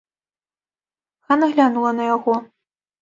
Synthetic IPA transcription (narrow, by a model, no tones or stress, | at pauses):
xanɐɣlʲanulˠɐnɐjaɣɔ